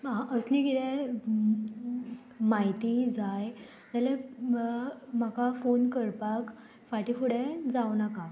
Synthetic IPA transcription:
ãʔəsliɡit̪e | maɦit̪id͡zaj | d͡ʑale | m̤akafonkəɾpak | faʈifuɽed͡zawnaka

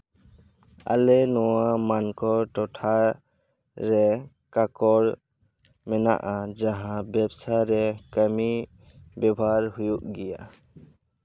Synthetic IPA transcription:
a̰lɛnɔwamankɔʈɔʈʰa | ɾɛ | kakɔɾ | mɛna̰ʔad͡ʒaɦãbɛbsaɾɛkəmi | bɔbʱaɾhujuʔɡɛja̰

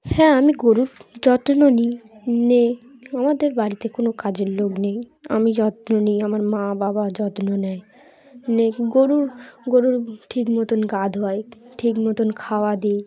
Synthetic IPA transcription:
hɛ̃amiɡoɾuɾd͡ʑɔt̪nonineamad̪eɾbaɾit̪ekonokad͡ʑeɾloɡnej | a̰mid͡ʑɔt̪noniamaɾmãbabad͡ʑɔt̪nonɛj | neɡoɾuɾɡoɾuɾʈʰikmɔt̪onɡad̪ʱɔeʈʰikmɔt̪onkʰaoad̪ij

